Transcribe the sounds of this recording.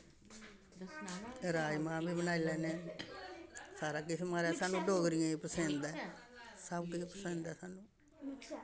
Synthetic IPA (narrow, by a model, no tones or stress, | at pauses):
ɾaːimãːbʱiːbənaːilɛːneː | saːɾaːk̬ɪsimaɾɛːsaːnũːɖoːɡɾijãːiːpəsẽːnd̪ɛː | səbkɪipəsẽːnd̪ɛːsaːnũː